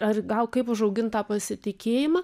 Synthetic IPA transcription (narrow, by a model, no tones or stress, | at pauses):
ɐrɡɐlˠkɐɪpʊʃɐʊɡʲɪnt̪ɑːpɐsʲɪt̪ʲɪkʲeːjɪmɑː